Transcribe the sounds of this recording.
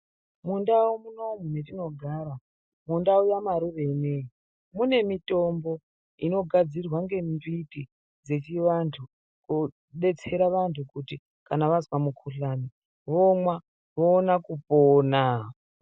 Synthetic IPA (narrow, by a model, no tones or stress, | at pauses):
mundaumuno̞munetino̞ɡʱaːɾa | mundaujamaɾuʋenei | mune̞mito̞mbo̞ | ino̞ɡʱad͡zirwaŋɡe̞mbiti | d͡ze̞t͡ʃiʋantʰu | ku | ɗe̞t͡se̞ɾaʋantʰukuti | kanaʋazwamukʰuɬani | ʋomwa | ʋoːnakupoːna